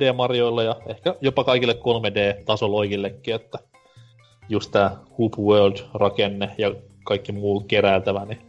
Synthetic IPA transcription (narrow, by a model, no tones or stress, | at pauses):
eːmɑrjoilːɑjɑehkæjopɑkɑikilːekkolmedeːt̪ɑsoloikilːekːiet̪ːæ | just̪t̪æːhupwøːld̥rɑkenːejɑ | kɑikːimuːt̪keɾæːlt̪æʋæni